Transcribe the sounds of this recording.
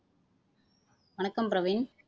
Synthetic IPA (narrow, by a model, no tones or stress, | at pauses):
ʋɐnɐkːɐmpɾɐʋɪn